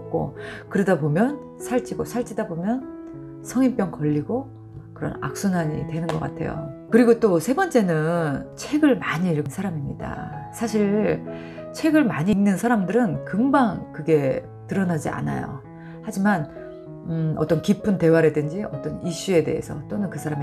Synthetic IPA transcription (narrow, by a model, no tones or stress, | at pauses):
k͈o̰kɯɾedabomjʌn | sʰaɭt͡ɕʰiɡosʰaɭt͡ɕ͈ʰidabomjʌn | sʰʌŋimp͈jʌŋkʌʎːiɡo | kɯɾʌ̰na̰k̚s͈unɦaɲḭtwe̞nɯnɡʌk͈a̰tʰe̞̰jo̰kɯɾiɡot͈osʰebʌnt͡ɕ͈e̞nɯnt͡ɕʰe̞ɡɯɭmaɲiːɾɡɯnsʰaɾamimɲida̰sʰaɕʰiɭ | t͡ɕʰe̞ɡɯɭmaɲiːnnːɯnsʰaɾamdɯɾɯnkɯŋbaŋkɯɡe̞ | tɯɾʌnad͡ʑḭa̰na̰jo̰ | had͡ʑiman | ʌ̰t͈ʌnkipʰɯnte̞waɾe̞dɯnd͡ʑiʔʌt͈ʌniɕ͈ʰue̞de̞̰ɦḛsʰʌ̰t͈onɯnkɯsʰaɾame